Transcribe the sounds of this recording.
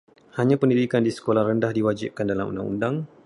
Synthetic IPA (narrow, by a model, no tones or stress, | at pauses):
haɲãpəndidikandisə̥kolahrəndahdiwad͡ʒip̚kandalamṵndaŋṵndaŋ